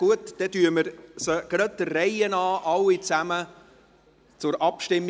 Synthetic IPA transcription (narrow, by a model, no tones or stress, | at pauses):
uət̪d̥ɛt̪yəməɾsəɡ̥ɾœt̪ːərɛɪənɑːʔɑlːit͡sæmə | t͡sʊɾʔɑpʃtɪmː